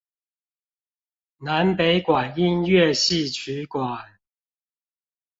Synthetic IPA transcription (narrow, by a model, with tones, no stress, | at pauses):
na˨˦npe˨˦ɪkwa˨˩ni˥˧nɥɛ˥˨ɕi˥˨t͡ɕʰy˨˦kwa˨˩n